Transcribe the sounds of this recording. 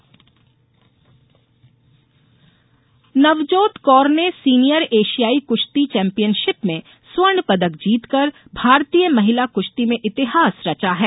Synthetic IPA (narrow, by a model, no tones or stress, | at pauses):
nɐʋd͡ʒoːt̪kɔːɾnesiːnijəɾeːʃijaːikʊʃt̪it͡ʃɛ̃ːmpijənʃɪpmẽ | swəɳpɐd̪əkd͡ʒiːt̪kəɾ | bʱaːɾt̪ijəmɐɦɪlakʊʃt̪imẽʔɪt̪ɪɦaːsɾɐt͡ʃaɦɛː